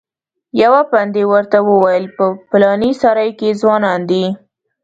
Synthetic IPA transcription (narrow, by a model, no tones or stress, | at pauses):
jawapand̪ewəɾt̪awəwajəlpəpɪlɑnisɑɾajkezwɑnɑnd̪i